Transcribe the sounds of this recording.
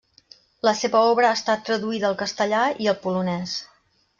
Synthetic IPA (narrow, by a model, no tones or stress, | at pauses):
ləseβəɔβɾəaːst̪at̪ːɾəðuiðəːlˠkəst̪əʎaiəlˠpulunɛs